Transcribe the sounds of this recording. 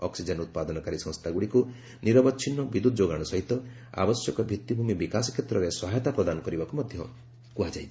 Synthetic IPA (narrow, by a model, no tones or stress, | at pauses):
ɔksid͡ʒenut̪̚pad̪ɔnɔkaɾisɔ̃nst̪ʰaɡuɽiku | niɾɔbɔt͡ʃʰinɔbid̪ud̪ɔd͡ʒoɡaɽ̃ɔsɔɦit̪ɔ | a̰bɔsjɔkɔbʱit̪ːibʱumibikasɔ̥kʰjet̪ɾɔɾesɔɦajɔt̪apɾɔd̪anɔkɔɾibakumɔd̪ʱjɔ | kuɦad͡ʒaj